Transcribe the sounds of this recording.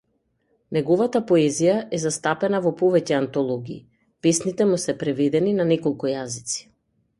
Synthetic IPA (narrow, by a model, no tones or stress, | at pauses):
nɛɡɔvat̪apɔɛzijaʔɛzast̪apɛnavɔpɔvɛcɛant̪ɔlˠɔɡiː | pɛsnit̪ɛmusɛpɾɛvɛd̪ɛninanɛkɔlˠkujazit̪si̥